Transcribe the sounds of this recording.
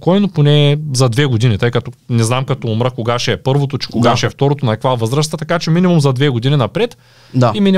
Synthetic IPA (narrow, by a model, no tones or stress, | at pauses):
kɔjnoponɛːzɐd̪vɛɡod̪init̪ɤjkɐt̪ɔnɛznamkɐt̪ɔːmɾəkoɡaʃɛːpɤɾvot̪ot͡ʃɛ̥koɡaʃɛɛft̪ɔɾot̪onɐɛkvavɤzɾəst̪ət̪ɐkat͡ʃɛminʲimumzɐd̪vɛɡod̪ininɐpɾɛt̪ | d̪aiminʲ